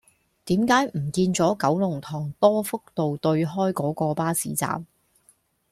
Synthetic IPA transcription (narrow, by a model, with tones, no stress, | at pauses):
t̪iː˨˥mkaː˨˥jm̩˨˩kiː˧nt͡sɔː˨˥kɐ˨˥wlʊ˨˩ŋt̪ʰɔː˨˩ŋt̪ɔː˥fʊ˥k̚t̪o˨wt̪ɵ˧ɥɦɔː˥jkɔː˨˥kɔː˧paː˥sḭː˨˥t͡sa̰ː˨m